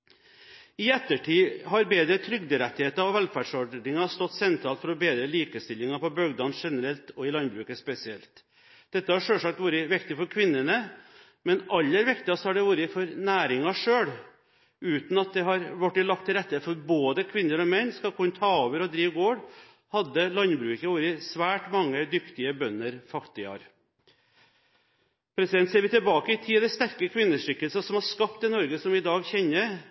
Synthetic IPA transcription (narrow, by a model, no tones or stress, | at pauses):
ɪɛt̪ːəʈʰiːɦɑɾbeːd̪ɾət̪ʰɾʏɡd̪əɾɛt̪ːɪheːt̪əɔʋɛlfæɖʂɔɖɳɪŋɑst̪ɔt̪ːsɛnt̪ʰɾɑːlt̪fɔɾɔbeːd̪ɾəliːkəst̪ɪlːɪŋɑpɔbœɡd̪ɑːnʂɛnəɾɛlt̪ɔɪlɑnbɾʉːkəspɛsɪɛlt̪ | d̪̥ɛt̪ːəhɑʂøːlsɑk̚t̪ʋuːɾəʋɪkt̪ɪfɔɾkʰʋɪnːənə | mɛnʔɑlːəɾʋɪkt̪ɪɑst̪hɑɖɛʋuːɾəfɔɾnæːɾɪŋɑʂøːɽ | ʉːt̪n̩ɑt̪̚d̪ɛɦɑɾʋɔʈːɪlɑk̚t̪ʰːɪlɾɛt̪ːəfɔɾboːd̪əkʰʋɪnːəɾɔmɛnːskɑlkʰʊnːt̪ʰɑːoːʋəɾɔd̪ɾiːʋɡoːɾ | hɑd̪ːəlɑnbɾʉːkəʋuːɾəsʋæːʈmɑŋːəd̪ʏkt̪ɪəbœnːəɾfɑkt̪ɪɑ̰ɾ | pʰɾɛsɪd̪ɛnt̪seːɾʋɪt̪ɪlbɑːkəɪt̪ʰɪd̪ɛst̪æɾkəkʰʋɪnːəʂʏkːəlsɑsɔmhɑɾʂkɑpt̪ɪnɔɾɡəsɔmɪd̪ɑːɡçɛnːəɾ